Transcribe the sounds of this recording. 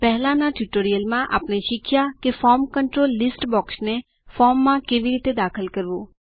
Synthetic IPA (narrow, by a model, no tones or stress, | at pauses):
pɛɦlãnaʈjuʈoːɾijəlmãʔa̰ːpneʃɪkʰjakefɔːɾmkəɳʈɾoːlːɪsʈbɔːksne | fɔːɾmːãkeːʋiɾiːt̪ed̪aːkʰəlkəɾʋoː